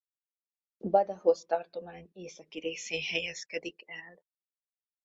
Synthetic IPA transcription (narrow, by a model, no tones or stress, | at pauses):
bɒd̪ɒɦo̞st̪ɒrt̪o̞maːɲeːsɒkiɾeːseːnhɛjɛskɛd̪ikɛl